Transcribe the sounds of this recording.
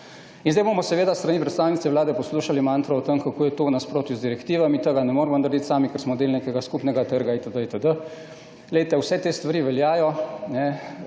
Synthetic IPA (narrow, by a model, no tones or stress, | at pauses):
inzd̪ɛjbomɔsɛʋeːd̪ast̪ɾanipɾɛt̪st̪aːwnit̪sɛwlaːd̪ɛpɔsluːʃalimaːnt̪ɾɔɔt̪əmkakoːjɛt̪ownaspɾoːt̪juzd̪iɾɛkt̪iːʋamit̪əɡanɛmoːɾmɔnaɾd̪it̪saːmikəɾsmɔd̪eːlnekɛɡaskupnɛɡat̪əɾɡaet̪əd̪əet̪əd̪ə | lɛjt̪ɛwsɛt̪est̪ʋaɾiːʋɛljaːjɔnɛ